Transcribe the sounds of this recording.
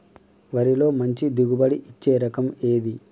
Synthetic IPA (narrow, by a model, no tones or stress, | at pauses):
ʋɐɾilo̞ːmɐɲt͡ʃid̪uɡubɐɽiʔit͡ʃːeːɾɐkɐmeːd̪i